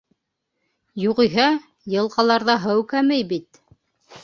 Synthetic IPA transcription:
juʁĭjɦɑ | jɤ̆lˠqɑlˠɑɾðɑɦɤwkæmɘjbit̪

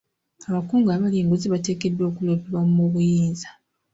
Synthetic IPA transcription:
aβakuːŋɡaːβaliːŋɡuziβate̞ːke̞dːo̞ːkuleːpiɾwamumoβujiːnzḁ

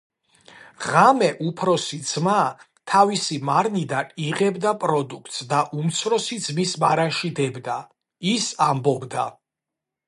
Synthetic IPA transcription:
ʁamɛʔupʰɾɔsid̪z̥ma | t̪ʰavisimaɾnid̪aniʁɛbd̪apʼɾɔd̪ukʰt̪ʼsd̪aʔumt̪sʰɾɔsid̪zmismaɾanʃid̪ɛbd̪a | isambɔbd̪a

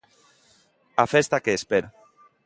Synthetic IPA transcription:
afest̪akeːspeɾ

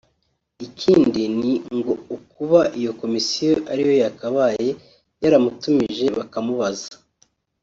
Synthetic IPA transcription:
icʰiːndiniŋɡo̞ukuβaʔijo̞ko̞misijo̞ʔaɾijo̞jakaβaje̞ | jaɾamutumiʒe̞βakamuβazḁ

